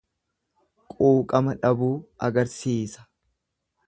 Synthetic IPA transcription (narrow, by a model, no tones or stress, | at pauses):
kʼuːkʼɐmɐᶑɐbuːɐɡɐɾsiːsɐ̥